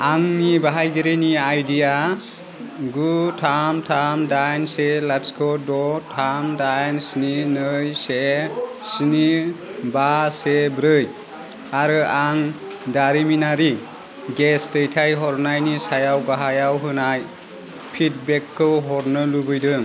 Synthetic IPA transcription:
aŋnibaɦajɡiɾiniajdija | ɡutʰamtʰamdajnselaskʰɔdɔtʰamdajnsninɯjsesinibasebɾɯj | aɾɯʔaŋ | daɾiminaɾi | ɡestɯjtʰajɦɔɾnajnisajawɡaɦajawɦɯnaj | pʰit̚bekʰːɯɦɔɾnɯlubɯjdɯŋ

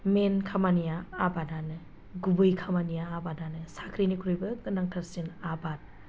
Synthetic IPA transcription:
menkʰamanijaːbadanɯ | ɡubɯjkʰamanijaːbadanɯsakʰɾinikʰuɾɯjbɯɡɯnaŋtʰaɾsinabat̚

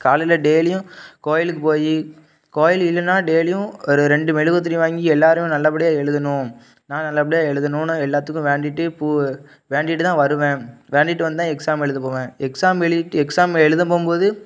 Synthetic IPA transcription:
kaːlɪlɐɖeːlɪjʊ̃koːjɪlɯkːɯpoːji | koːjɪlɪlːɐnːaːɖeːlɪjʊ̃ɔɾɯɾɛɳɖɯmɛɻɯɣɐt̪̬ːɾiʋaːŋɡiɛlːaːɾɯjʊ̃nɐlːɐpɐɽɪjaːɛɭɯðɐnʊ̃ | nãːnɐlːɐpɐɽɪjaːɛɻɯðɯnʊ̃noɛlːaːt̪ːɯkːʊ̃ʋeːɳɖɪʈːɯpuː | ʋeːɳɖɪʈːɯt̪ãːʋɐɾɯʋẽːʋeːɳɖɪʈːɯʋɐnd̪ɯt̪ãːɛksaːmɛɻɯðɐpoːʋẽːɛksaːmɛɭɯɪʈːɯɛksaːmɛɻɯðɐpoːmpoːðɯ

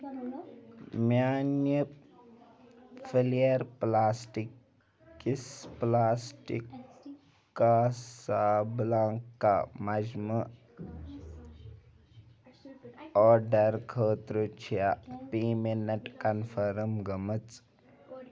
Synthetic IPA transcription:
mjaːnjə | fʰilijɐɾplaːsʈikː | isplaːsʈḭkː | asaːblãːŋkːa̰mɐd͡ʒmə | ɔːɖɐɾkʰəːt̪ɾut͡ʃʰijapiːmenɐʈkɐnfʰəɾəmɡɐmət͡s

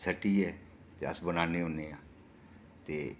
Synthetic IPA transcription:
səʈiːɛː | t̪ḛə̰sbənaːneːʊneːãː | t̪eː

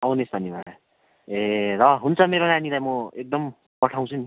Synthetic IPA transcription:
ʌwnesbʱʌnːibaɽa | erʌɦunt͡sʰʌmeɾonanilajmʌek̚d̪ʌm | pʌʈʰaw̃t͡sʰuni

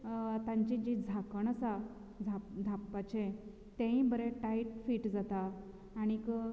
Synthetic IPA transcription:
t̪ãɲt͡ɕĩd͡ʑid͡zʱakəɳ̃əsa | d͡zʱapd͡zʱapːat͡ɕe | t̪ẽĩbəɾeʈaiʈfiːʈd͡zat̪aː | ɽ̃ikə

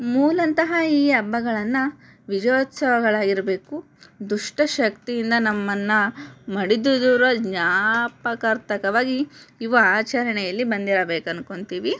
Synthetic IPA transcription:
muːlɐnt̪ɐɦɐiːɐbːɐɡɐɭɐnːɐ | ʋid͡ʒɐjoːt̪sɐʋɐɡɐɭaːɡiɾɐbe̞ːku | d̪uʂʈɐʃɐkt̪ijind̪ɐnɐmːɐnːɐmɐɽid̪ud̪uɾɐd͡ʒɲaːpɐkɐɾt̪ɐkɐʋaːɡiiʋɐaːt͡ʃɐɾɐɳɛjɐlːibɐnd̪iɾɐbeːkɐnuko̞ɳt̪iːʋi

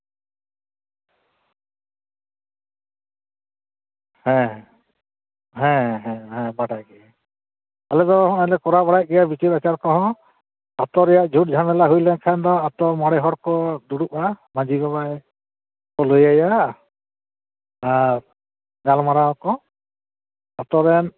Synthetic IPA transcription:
hɛ̃ | ɦɛ̃ɦɛ̃ɦɛ̃baʈajɡɛa | alɛt̪ɔɔ̃ɛlɛkɔɾabaɽaj̚ɡɛjabit͡ʃiɾat͡ʃaɾkɔ̃ɦɔ̃ | at̪ɔɾɛjaʔd͡ʒʱuʈ̚d͡ʒʱamɛlaɦujlɛnkʰand̪ɔat̪ɔmɔɽɛɦɔɽkɔd̪uɽuʔamãd͡ʒʱibabaɛ | kɔlojajaʔ | aɾ | ɡalmaɾaɔkɔ | at̪ɔɾɛn

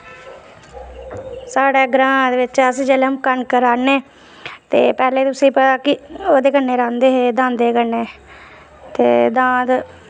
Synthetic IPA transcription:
saːɽeːɡɾãːd̪eːʋɪt͡ʃəsd͡ʒeːleəmkənkəɾaːneː | t̪eːpɛːleːt̪ʊsẽːpəaːkɪoːd̪eːkənːeːɾãːnd̪eːɦeːd̪ãːnd̪eːkəneː | t̪eːd̪ãːd̪

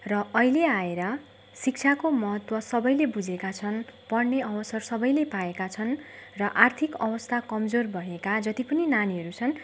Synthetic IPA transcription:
rʌʌileaeɾʌ | sik̚t͡sʰakomʌɦʌt̪wʌsʌbʌjlebud͡zekat͡sʰʌnpʌɽneʌwʌsʌrsʌbʌjlepaekat͡sʰʌnrʌʔart̪ʰikʌbʌst̪ʰakʌmd͡zorbʱʌɦekad͡zʌt̪ipʌninaniɦʌɾut͡sʰʌn

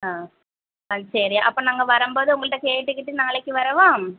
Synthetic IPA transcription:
aː | ɐsɐɾijaʔɐpːoːnɐŋːɡɐɭʋɐɾɐmboːðɯuŋɡɐɭɨʈːekeːʈːɯkːiʈːinɐŋːɐɭekːɯʋɐɾɐʋaːm

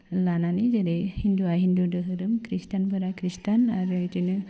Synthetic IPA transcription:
lananid͡ʒadihind̪uaɦind̪udəɦɯɾɯmkɾist̪anbəɾakɾist̪anaɾat͡ʃinɯ

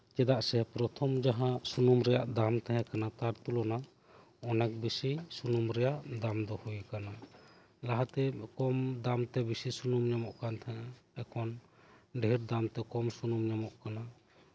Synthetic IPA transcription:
t͡ʃɛd̪aʔsɛpɾɔt̪ʰɔmd͡ʒaɦasunumɾɛjaʔd̪amt̪ɛɦɛ̃kanat̪aɾt̪ulɔna | ɔnak̚bisisunumɾɛjaʔd̪amd̪ɔhujkana | laɦat̪ɛkɔmd̪amt̪ɛbisisunumɲɔmɔʔkant̪ʰɛɛkʰɔnɖiɾd̪amt̪ɛkɔmsunumɲɔmɔʔkana

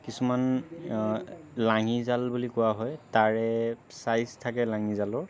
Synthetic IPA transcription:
kisuman | laŋizalbulikʊwaɦɔjtaɹɛsajztʰakɛlaŋizalɔɹ

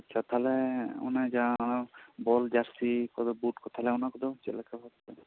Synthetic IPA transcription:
t͡ʃʰat̪ʰalɛɔ̰nad͡ʒanabɔld͡ʒaɾsikɔd̪ɔbuʈkɔt̪ʰalɛɔnakɔd̪ɔt͡ʃḛlakabɔt̪ːɛ

